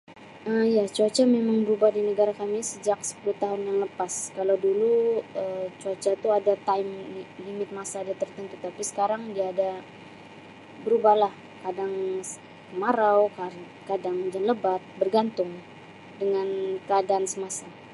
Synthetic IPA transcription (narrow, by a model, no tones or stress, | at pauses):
ʔəjat͡ʃuat͡ʃamemaŋbəɾubahdinəɡaɾahkamɪsəd͡ʒaksə̥puluht̪aɦʊnjaŋləpaskalawduluət͡ʃuat͡ʃat̪uadat̪aɪmilimɪt̪̚masaːdat̪ərt̪ənt̪ut̪apisə̥kaɾaŋdiaːda | bəɾubahlah | kadaŋ | kəmaɾawk | kadaŋd͡ʒanləbat̪̚bərɡant̪ʊŋ | dəŋankəadansəmasa